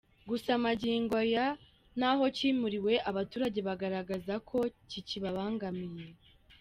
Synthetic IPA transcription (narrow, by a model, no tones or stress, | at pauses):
ɡusamaɟiːŋɡoja | naɦo̞ciːmuɾiwe̞ʔaβatuːɾaɟe̞βaɡaɾaɡazakʰo̞ciciβaβaːŋɡamije̞